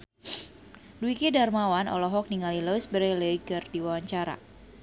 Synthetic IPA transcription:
duikidarmawanɔ̰lɔɦɔk̚niŋalilɔisbəɾɛlɛiɡərdiwawaɲt͡ʃaɾa̰

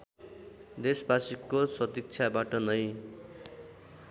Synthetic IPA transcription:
d̪esbasikːosʌt̪ik̚t͡sʰjabaʈʌnʌj

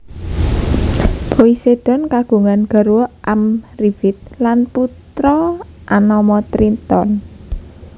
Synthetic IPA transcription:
b̥oised̪̥ɔ̤nkaɡ̥ṳŋanɡ̥ə̤ɾuɔʔamriv̥it̪̚lanput̪ɾɔʔanɔmɔt̪ɾint̪ɔn

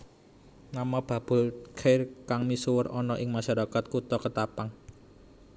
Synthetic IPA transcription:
namab̥a̤b̥ʊ̤lkʰejrkaŋmisuwərɔnɔʔɪŋmaʃaɾakat̪̚kut̪ɔkət̪apaŋ

